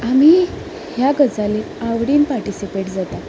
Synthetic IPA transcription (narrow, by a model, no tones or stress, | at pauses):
am̤i | hjaɡəd͡zale | aʋɽiːnpaɾʈisipeʈd͡zat̪a